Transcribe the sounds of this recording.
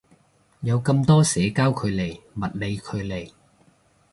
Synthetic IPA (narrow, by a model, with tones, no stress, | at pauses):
jɐ˨˧wkɐ˧mt̪ɔː˥sɛː˨˥kaː˥wkʰɵ˨˧ɥle˨˩jmɐ˨t̚le˨˧jkʰɵ˨˧ɥle˨˩j